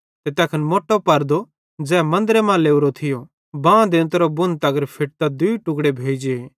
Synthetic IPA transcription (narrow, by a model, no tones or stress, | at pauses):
t̪et̪ɛːkʰənmoːʈopɐɾd̪o | d͡zɛːmɐ̃nd̪ɾemãleːuɾot̪ʰɪjo | bãːd̪ɪ̃nt̪ɾobʊnt̪ɐɡəɾpʰɪʈ̚t̪ad̪uiʈʊɡɽebʱeːd͡ʒee